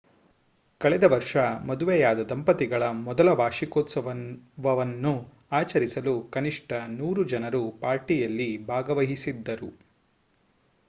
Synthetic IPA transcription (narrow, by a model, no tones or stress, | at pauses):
kɐɭɛd̪ɐʋɐɾʂɐmɐd̪uʋɛjaːd̪ɐd̪ɐmpɐt̪iɡɐɭɐmɔd̪ɐlɐʋaːʂikoːt̪sɐʋɐʋɐʋɐnːu | aːt͡ʃɐɾisɐlukɐniʂʈɐnuːɾud͡ʒɐnɐɾupaːɾʈijɐlːibʱaːɡɐʋɐɦisid̪ːɐɾu